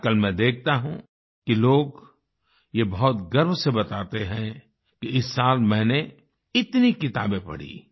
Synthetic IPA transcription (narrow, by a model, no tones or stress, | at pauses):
kɐlmɛ̃d̪eːk̚ʰt̪aɦũ | kiloːɡ | jebɐɦʊt̪ɡɐɾmsebɐt̪aːt̪eɦɛ̃ | kiɪsːaːlmɛ̃ːne | ɪt̪nikɪt̪aːbẽpɐ̰ɽ̤ḭː